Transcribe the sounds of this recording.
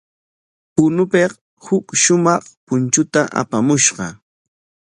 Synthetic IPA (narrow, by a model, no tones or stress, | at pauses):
pʊnʊpeχ | hʊkʃʊmɑχpʊnt͡ʃʊt̪aʔa̰pamʊʃɢɑ